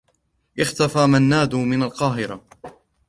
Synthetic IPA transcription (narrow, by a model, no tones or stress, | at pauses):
ʔɪxt̪afaːmanːaːd̪umɪnalqɑːɦɪɾa̰